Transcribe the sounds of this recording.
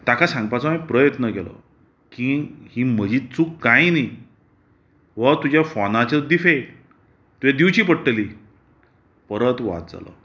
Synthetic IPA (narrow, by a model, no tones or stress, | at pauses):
t̪akasãŋɡ̚pat͡samĩpɾəjət̪nəkelə̰ | kihiːm̤əd͡ʑiːt͡suːkɡãini | ʋət̪ud͡ʑjafɔnat͡ɕad̪ife | t̪ued̪iwt͡ɕiːpəɽʈəliː | pəɾət̪ʋa̰t̪̚d͡za̰lə̰